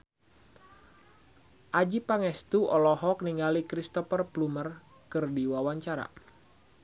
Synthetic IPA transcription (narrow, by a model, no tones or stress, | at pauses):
ʔad͡ʒipaŋɛst̪uɔlɔɦɔk̚niŋɡalikɾist̪ɔfərplumər | kɨrdiwawaɲt͡ʃaɾa̰